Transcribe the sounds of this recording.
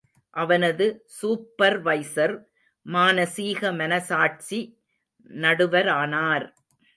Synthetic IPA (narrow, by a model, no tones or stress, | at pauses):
ʔɐʋɐnɐðɯsuːpːɐɾʋɐɪsɐɾ | maːnɐsiːɣɐmɐnɐsaːʈ̚t͡ʃi | nɐɽɯʋɐɾaːnaːɾ